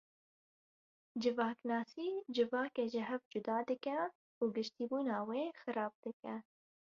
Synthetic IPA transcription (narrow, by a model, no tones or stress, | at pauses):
d͡ʒɪvɑːknɑːsiːd͡ʒɪvɑːkeːʒɪɦɛvd͡ʒʊd̪ɑːd̪ɨkɛ | uːɡɪʃt̪iːbuːnɑːweːxɨɾɑːb̚d̪̥ɨkɛ